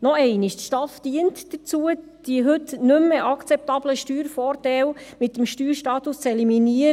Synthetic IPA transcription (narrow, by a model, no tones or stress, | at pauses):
nɔɛɪnɪʃt̪ʃtɑfd̥iənt̪d̥ət͡suə | d̥iəɦʏt̪nʏmːəʔɑkt͡sɛp̚t̪ɑb̥ləʃtyːɾfɔːɾtɛwmɪt̪ːəmʃtyːɾʃtɑːt̪ust͡sɛliminiəɾ